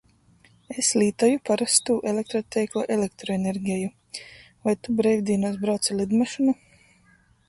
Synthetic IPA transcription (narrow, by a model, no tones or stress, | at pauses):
eslʲiːt̪ajupaɾast̪uːʔelʲek̚t̪ɾɔt̪ʲɛjklˠaʔelʲek̚t̪ɾɔeneɾɡʲɛju | vajt̪ubɾɛjvʲd̪iːnuːs̬bɾawt̪silˠid̪maʃunu